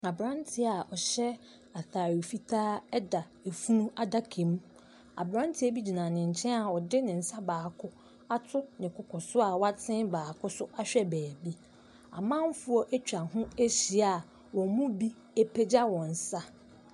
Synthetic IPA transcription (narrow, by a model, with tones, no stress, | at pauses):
a˨bɾã˦ntʰɪ˨a˨ʔɔ˨ɕɛ˦ | a˨θaː˨ɾi˨o˨fi˦tʰaː˦ɛ˦da˨ | e˨fu˦nũ˦a˦da˦kʰẽ˨m˦ | a̰˨bɾã˦ntʰɪ˦e˦bi˦d͡ʑi˨nã˨nɪ̃˨ɲ̩˨t͡ɕʰɛ̃˦a˨ɔ˨dɪ˦nɪ̃˨n̩˨sa˦baː˨kʰʊ˦ | a˦tʰʊ˦nɪ̃˨kʰʊ˨kʰɔ˨sʊ˦a˨wa˦tʰɪ̃˦baː˨kʰʊ˦sʊ˦ʔa˦ɕᶣɛ˦bæː˨bi˦ | a̰˨mã˦m˦fu˦ɔ˦ʔæ˦t͡ɕᶣa˨ɦʊ̃˦e˦ɕi˨a˨ | wɔ̃˨˦mʊ̃˦bi˦ | e˦pʰe˦d͡ʑa˦wɔ̃˨n̩˨sa˦